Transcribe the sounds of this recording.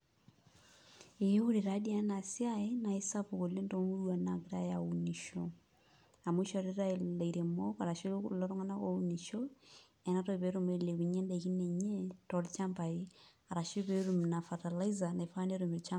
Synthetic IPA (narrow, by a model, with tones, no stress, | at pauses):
e˨je˦u˦ɾe˨ɾa˦di˦a˨˦na˨si˦a˦e˦na˨i˦sa˦po˨ko˨le˦nto˦mu˦ɾwa˨na˨ɡɪɾa˦ja˨u˨ni˨ʃo˨ | a˨mu˦ʃɔ˨ɾe˦ɾa˦e˨la˨iɾe˨mo˦ka˨ɾa˨ʃi˦lo˦ɾo˦ŋa˦na˦ko˦u˦ni˨ʃo˦ | ɛ˨na˦to˦˨pe˨˦ɾu˨me˦le˨ku˨ɲe˦nde˨ki˦ne˨ɲe˦tɔ˨ɾt͡ʃa˦mpa˨i˦a˨ɾa˨ʃi˦pe˦ɾu˨mna˨fa˨ta˨la˦iza˨na˨fa˦ne˦ɾo˨mɪ˨ɾt͡ʃa˦